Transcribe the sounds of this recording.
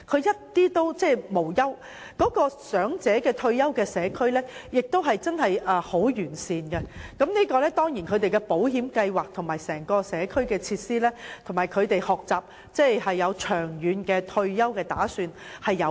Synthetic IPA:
kʰɵ˨˧ɥjɐ˥t̚t̪iː˥t̪o˥wt͡sɛː˥˩mo˨˩wjɐ˥w | kɔː˨˥kɔː˧sœː˨˥ŋt͡sɛː˨˥kɛː˧t̪ʰɵ˧ɥjɐ˥wkɛː˧sɛː˨˧kʰɵ˥ɥlɛː˥jɪ˨k̚t̪o˥wɦɐ˨jt͡sɐ˥nɦɐ˨jʔɐː˨ho˨˥wjyː˨˩nsiː˨nkɛ˧kɐ˨˥mniː˥kɔː˧lɛː˥t̪ɔː˥ŋjiː˨˩nkʰɵ˨˧ɥt̪e˨jkɛ˧po˨˥whiː˨˥mkɐ˧jwaː˨k̚t̪ʰʊ˨˩ŋmaː˨jsɛː˨˩ŋkɔː˧sɛː˨˧kʰɵ˥ɥkɛː˧t͡sʰiː˧t̚siː˥lɛː˥t̪ʰŋmaː˨˩jkʰɵ˨˧ɥt̪e˨jhɔː˨k̚t͡saː˨˩p̚ | t͡sɛː˥˩jɦɐ˨jːɐ˨˧wt͡ʃʰœː˨˩ŋjyː˨˧nkɛː˧t̪ʰɵ˧ɥjɐ˥wkɛː˧t̪aː˨˥syː˧nhɐ˨jːɐ˨˧

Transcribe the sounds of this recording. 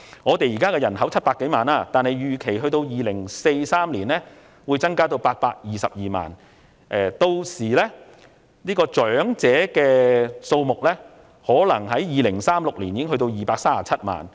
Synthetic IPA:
ŋɔː˨˧t̪e˨jiː˨kaː˥kɛː˧jɐ˨˩nɦɐ˨˥wt͡sʰɐ˥t̚paː˧˥kːe˨˥jmaː˨naː˧t̪aː˨nhɐ˨jjyː˨kʰe˨˩jɦɵ˧ɥt̪o˧wjiː˨lɪ˨˩ŋse˧jsaː˥mliː˨˩nlɛː˥ | wuː˨˧jt͡sɐ˥ŋkaː˥t̪o˧wpaː˧t̚paː˧k̚jiː˨sɐ̰˨p̚jiː˨ma̰ː˨n | ʔɛː˨t̪o˧wsiː˨˩lɛː˥ | niː˥kɔː˧t͡ʃœː˨˥ŋt͡sɛː˨˥kɛː˧so˧wmʊ˨k̚lɛː˥ | hɔː˨˥lɐ˨˩ŋɦɐ˨˥jjiː˨˧lɪ˨˩ŋsaː˥mlʊ˨k̚liː˨˩njiː˧˥ɦɵ˧t̪̬o˧wjiː˨˩paː˧k̚saː˥aː˨t͡sʰɐ˥t̚ma̰ː˨n

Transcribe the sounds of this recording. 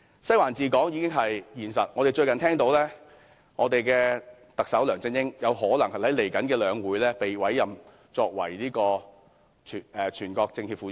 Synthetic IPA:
sɐ˥jwaː˨˩nt͡siː˨kɔː˨˥ŋjiː˨˧kɪ˥ŋɦɐ˨jjiː˨˩nsɐ̰˨t̚ŋɔ˨˧e˨jt͡ʃɵ˧ɥkɐ˨nt̪ʰɛː˥ŋt̪o˨˥wlɛː˥ | ŋɔː˨˧t̪e˨jkɛː˧ | t̪ɐ˨k̚sɐ˨˥wlœː˨˩ŋt͡sɪ˧ŋjɪ˥ŋjɐ˨˧wɦɔː˨˥lɐ˨˩ŋhɐ˨˩jhɐ˨˥jle˨˩jkɐ˨˥nkɛː˧lœː˨˧ŋwuː˨˧˥jlɛː˥pe˨jwɐ˨˥jːɐ˨m | t͡ʃɔː˧k̚wɐ̰˨˩jliː˥kɔː˧˨ | ɛː˨t͡ʃʰyː˨˩nkɔː˧k̚t͡sɪ˧ŋhiː˧p̚fuː˨˥

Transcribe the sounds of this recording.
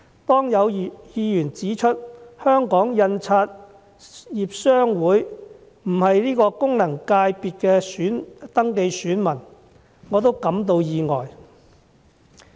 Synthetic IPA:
t̪ɔː˥ŋjɐ˨˧wjiː˨˧jyː˨˩nt͡siː˨˥t͡ʃʰɵ˥t̚hœː˥ŋkɔː˨˥ŋjɐ˧nt͡sʰaː˧t̚ | jiː˨p̚sœː˥ŋwuː˨˥j | m̩˨˩hɐ˨jliː˥kɔː˧kʊ˥ŋlɐ˨˩ŋkaː˧jpiː˨t̚kɛː˧syː˨˥nt̪ɐ˥ŋke˧jsyː˨˥nmɐ˨˩n | ŋɔː˨˧t̪̬o˥wkɐ˨˥mt̪o˧wjiː˨ŋɔː˨˩j

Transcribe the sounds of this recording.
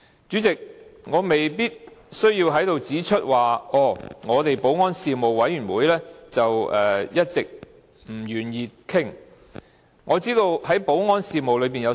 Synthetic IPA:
t͡ʃyː˨˥t͡sɪ˨k̚ŋɔː˨˧me˨jpiː˥t̚sɵ˥ɥjiː˧wɦɐ˨˥jt̪o˨wt͡siː˨˥t͡ʃʰɵ˥t̚waː˨ʔɔː˧˩ŋɔː˨˧t̪e˨jpo˨˥wŋɔː˥nsiː˨mo˨wwɐ˨˥jɥyː˨˩nwuː˨˥jlɛː˥t͡sɐ˨wɛː˨jɐ˥t̚t͡sɪ˨k̚ | m̩˨˩jyː˨˩njiː˨t̚kʰɪ˥ŋ | ŋɔː˨˧t͡siː˥t̪o˧whɐ˨˥jpo˨˥wŋɔː˥nsiː˨mo˨wlɵ˨˧ɥp̬iː˨njɐ˨˧

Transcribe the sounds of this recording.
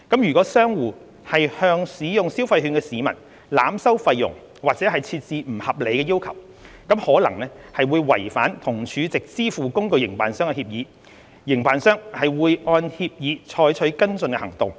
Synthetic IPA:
kɐ˨˥mjyː˨˩kɔː˨˥sœː˥ŋwuː˨˩ | hɐ˨jhœː˧ŋsiː˨˥jʊ˨˩ŋsi˥wfɐ˧jɦyː˧nkɛː˧siː˨˥mɐ˨˩n | laː˨˥msɐ˥wfɐ˧jːʊ̰˨˩ŋ | waː˨k̚t͡sɛː˨˥ɦɐ˨jt͡sʰiː˧t̚t͡siː˧m̩˨˩hɐ˨p̚le˨˧jkɛː˧jiː˥wkʰɐ̰˨˩w | kɐ˨˥mhɔː˨˥lɐ˨˩ŋlɛː˥hɐ˨jwuː˨˧jwɐ̰˨˩jfa̰ː˨˥nt̪ʰʊ˨˩ŋt͡ʃʰyː˨˧t͡sɪ˨k̚t͡siː˥fuː˨kʊ˥ŋkɵ˧ɥjɪ˨˩ŋpa̰ː˨nsœː˥ŋkɛ˧hiː˧p̚jiː˨˥ | jɪ˨˩ŋpaː˨nsœː˥ŋhɐ˨jwuː˨˧jʔɔː˧nhiː˧p̚jiː˨˧t͡ʃʰɔː˨˥jt͡ʃʰɵ˨˥kɐ˥nt͡sɵ˧nkɛ̰˧hɐ˨˩ŋt̪ʊ˨ŋ

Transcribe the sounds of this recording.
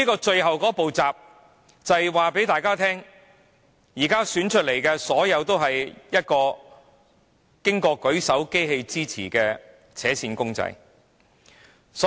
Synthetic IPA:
iː˥kɔː˧t͡ʃɵ˧ɥɦɐ˨wkɔː˨˥po˨wt͡saː˨p̚ | t͡sɐ˨jwaː˨pe˨˥t̪aː˨˧jkaː˥t̪ʰɛː˥ŋ | jiː˨˩kaː˥syː˨˥nt͡ʃʰɵ˥t̚le˨˩jkɛː˧sɔː˨˥jɐ˨˧wt̪o˥wɦɐ˨jjɐ˥t̚kɔː˧ | kɪ˥ŋkɔː˧kɵ˨˥ɥsɐ˨˥wke˥jɦe˧jt͡siː˥t͡sʰḭː˨˩kɛː˧ | t͡sʰɛː˨˥siː˧nkʊ˥ŋt͡sɐ̰˧j | s

